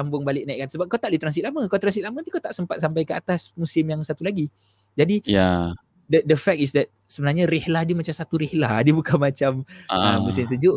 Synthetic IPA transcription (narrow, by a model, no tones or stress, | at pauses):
ambʊŋbalɪʔ̚naiʔkːansəbap̚kawt̪aʔdit̪ɾansit̪̚laməkawt̪ɾansit̪lamət̪i̥kawt̪aʔsəmpat̪̚sampajkəa̰t̪asmusɪmjaŋsat̪ulaɡi | d͡ʒadija | dədəfɛk̚isdɛt̪̚səbənarɲaɾihlahdiəmat͡ʃamsat̪uɾihlahdiəbukanmat͡ʃaməmmusɪms̬əd͡ʒʊʔ